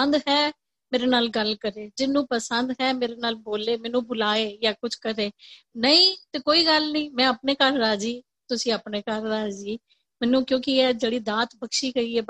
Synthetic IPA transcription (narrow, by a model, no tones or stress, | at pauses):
ənd̪ɦɛː | meːɾeːnaːlɡəlkəɾeːd͡ʒɪnːũːpəsənd̪ɦɛːmeːɾeːnaːlboːleːmɛ̃ːnũːbʊlaːeːjaːkʊt͡ʃʰkəɾeːnəĩːt̪eːkoːiːɡəlnĩːmɛ̃ːəpneːkəɾɾaːd͡ʒiː | t̪ʊsĩːəpneːkəɾɾaːd͡ʒiː | mɛːnũːkjõːkɪɛːd͡ʒeːɽiːd̪ãːt̪bəkʃiːkəiːɛː